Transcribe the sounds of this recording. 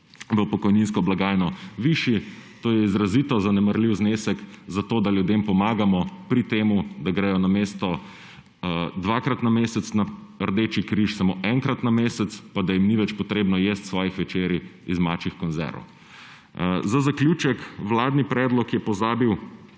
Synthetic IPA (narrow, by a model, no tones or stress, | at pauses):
ʋəpɔkɔjninskɔblaɡaːjnɔʋiʃit̪oːjɛizɾazit̪ɔzanɛməɾliwznesɛkzat̪oːd̪aljud̪empɔmaːɡamɔpɾit̪eːmud̪aɡɾɛjɔnameːst̪ɔ | d̪ʋaːkɾat̪nameːsɛt̪snaəɾd̪eːt͡ʃikɾiʃsamoːʔɛŋkɾat̪nameːsɛt̪spad̪ajimniʋɛt͡ʃpɔt̪ɾeːbnɔjeːst̪sʋɔːjixʋɛt͡ʃeːɾjiizmat͡ʃixkɔnzɛ̰ɾɔ̰w | zazaklʲjuːt͡ʃɛkwlaːd̪nipɾɛːd̪lɔkjɛpɔzaːbiw